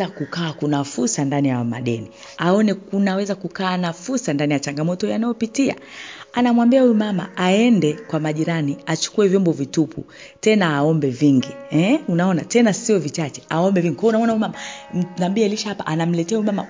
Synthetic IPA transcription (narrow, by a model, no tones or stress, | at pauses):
akukaːkunafuɾsandanijaama̰ɗɛni | aɔnɛkunawɛzakukaːnafuɾsandanijat͡ʃaŋɡamɔtɔjanajɔpitia̰anamwambiahuɛmama̰aɛndɛkwamaʄiɾaniat͡ʃu̥kuɛvjɔmbɔvitupʰṵ | tɛnaːɔmbɛviŋɡihɛunaɔnatɛnasiɔvit͡ʃat͡ʃɛ̥aɔmbɛviŋɡikwaunaɔnaumamanambiaɛliʃahapaʔanam̩lɛtɛauɛmama̰